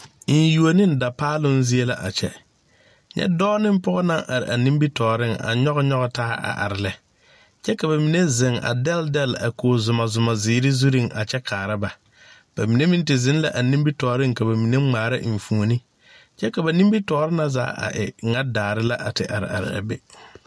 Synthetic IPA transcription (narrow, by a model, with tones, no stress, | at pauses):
n˦ju˨o˨nɪ˦n̩˨da˨paː˦lʊ˦n˦zi˦e˦la̰˦ʔa˨t͡ʃɛ̰˦ | ɲɛ̰˦dɔː˦nɪ˦m˦pɔ˦ɣɔ˦na˦ŋʔa˨ɾɪ̰˨ʔa˨nĩ˦mbi˦tɔː˨ɾɪ˦˨ŋa̰˨ɲɔ˦ɣɔ˦ɲɔ˦ɣɔ˦taː˦ʔa̰˨ʔa̰˨ɾɪ˨lɛ˨ | t͡ʃɛ˦ka˨βa˨mi˨ne˦zɪ˨ŋa̰˨dɛ˦ldɛ˦˨la̰˨koː˨zʊ˨ma˨zʊ˨ma˨zɪː˨ɾɪ˦zu˦ɾi˦˨ŋʔa̰˨t͡ʃɛ˦kʰaː˨ɾa˦ba˨ | b̥a˨mi˨ne˦mi˦n˦tɪ˨zɪ˦n˦la˦˨ʔa˨nĩ˦mbi˦tɔː˨˦ɾɪ˦ŋ˨ka˨ba˨mi˨ne˦ŋ͡maː˨ɾɪ̰˦ʔɱ̩˨fu˨o˨ni˦ | t͡ʃɛ˦ka˨ba˨nĩ˦mbi˦tɔː˨˦ɾɪ˦na˦za̰ː˦ʔa̰˨ʔɪ̰˨ŋa˦daː˨ɾɪ˦la˦ʔa˨tɪ˨ʔa̰˨ɾɪ̰˨a̰˨ɾɪ̰˨a̰˨be˨